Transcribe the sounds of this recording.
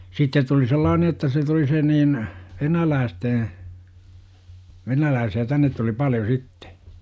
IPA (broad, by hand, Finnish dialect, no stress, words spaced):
sitːet tuli selːɑːne jotːɑ se tuli se niːn ʋenælæːsteː ʋenælæːsiæ tænːet tuli pɑljo sitːe̥